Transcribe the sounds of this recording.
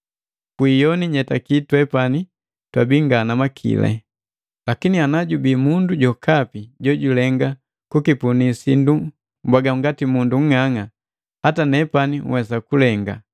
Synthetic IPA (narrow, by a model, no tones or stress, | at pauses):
kwiːjɔniɲɛtakitwɛpani | twabiŋɡanamakʰḭlɛ̰ | lakinianaɟubiːmunduɟɔkʰapiɟɔɟulɛŋɡa | kukipunisindu | mbwaɡaŋɡatimunduŋ̩ŋaŋa | hatanɛpaniŋwɛs̬akulɛŋɡa